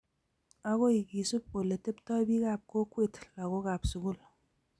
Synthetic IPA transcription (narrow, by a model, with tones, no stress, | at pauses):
a˦ko˦i˨ki˨su˦p̚o˨le˨te˦ptɔ˦bi˦ka˨p̚ko˦kwe˦˨tla˨ko˦ka˨psu˨ɡu˦˨l